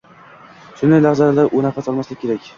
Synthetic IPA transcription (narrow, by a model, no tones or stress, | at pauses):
ʃʊnd̪ajlazalalaɾʔʊnafasɒlˠmaslaɪkʲʰe̞ɾakʲ